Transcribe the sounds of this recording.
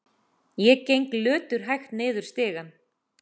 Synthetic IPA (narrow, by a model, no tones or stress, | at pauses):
jɛcejŋklʏːt̪ʏɾ̥ɦajxt̪nɪːðʏɾ̥st̪ɪːɣan